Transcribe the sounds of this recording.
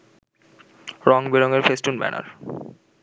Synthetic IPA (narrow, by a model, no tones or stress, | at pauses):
ɾɔŋbeɾoŋeɾfesʈunbɛ̰na̰ɾ